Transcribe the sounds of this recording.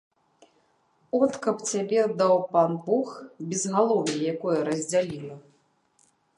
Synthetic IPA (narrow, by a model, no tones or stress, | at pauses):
ɔt̪kɐpt͡sʲabʲɛd̪awpanbuxbʲizmalˠɔvʲijijakɔjɐɾɐzʲd͡zʲalʲilˠɐ